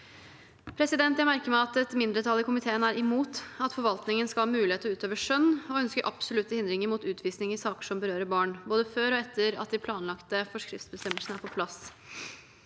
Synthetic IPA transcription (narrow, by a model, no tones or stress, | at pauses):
pʰɾɛsɪd̪ɛnt̪jæɪmæɾkəmæɑt̪ɛt̪mɪnd̪ɾət̪ʰɑlːɪkʰʊmɪt̪ʰeːənæɾʔɪmuːt̪ɑt̪fɔɾʋɑlt̪nɪŋənskɑlhɑːmʉːɪheːt̪əɔʉːt̪øːʋəʂœnːɔœnskəɾʔɑpsʊlʉt̪ːəhɪnd̪ɾɪŋəɾmut̪ʉːt̪ʰʋiːsnɪŋəsɑːkə̥ʂɔmbəɾøːɾəbɑːɳboːd̪əføːɾɔɛt̪ʰːəɾɑ̰t̪̚d̪ɪpʰlɑːnlɑkt̪əfɔʂkɾɪft̪sbəst̪ɛmːəlsənəæɾpɔpʰlɑs